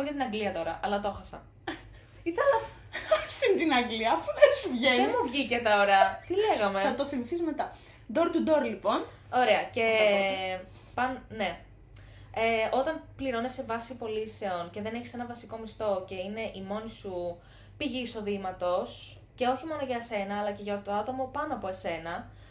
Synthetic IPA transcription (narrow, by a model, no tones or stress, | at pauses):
oʝɐt̪inɐŋɡliɐt̪o̞ɾɐʔɐlɐt̪o̞xɐsɐ̰n | iθelɐ | st̪int̪inɐŋɡliɐfuðensuvʝenðemuvʝicet̪ɐoɾɐt̪ile̞ɣɐme̞ɐt̪oθimiθizme̞t̪ɐ | d̪o̞ɾt̪ud̪o̞ɾlipo̞n | o̞ɾe̞ɐce̞ | pɐnne̞ | eo̞t̪ɐnpliɾo̞ne̞sevɐsipo̞lise̞o̞nce̞ðe̞neçi̥se̞nɐvɐsiko̞mist̪o̞ce̞ine̞ʔimo̞nisu | piʝiːso̞ðimɐt̪o̞s | ce̞o̞çimo̞noʝɐse̞nɐːlɐce̞ʝɐt̪oɐt̪o̞mo̞pɐnoɐpo̞ese̞nɐ